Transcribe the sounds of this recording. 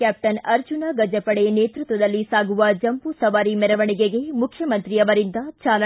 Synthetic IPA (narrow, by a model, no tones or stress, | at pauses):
kaːp̚ʈɐnɐɾd͡ʒunaɡɐd͡ʒɐpɐɽeneːt̪ɾut̪ʋɐd̪ɐlːisaːɡuʋɐd͡ʒɐmpusɐʋaːɾimɛɾɐʋɐɳiɡeɡe̞mukʰjɐmɐnt̪ɾiɐʋɐɾind̪ɐt͡ʃaːlɐ